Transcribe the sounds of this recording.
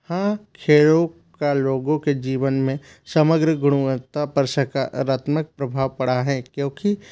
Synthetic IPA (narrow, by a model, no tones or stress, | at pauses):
hãːkʰeːɭõ | kaloːɡõked͡ʒiːʋənmẽ | sɐməɡɾəɡʊɽ̃uət̪apəɾsəkaɾaːt̪mək̚pɾɐbʱaːʋpɐɽaɦɛːkjõːki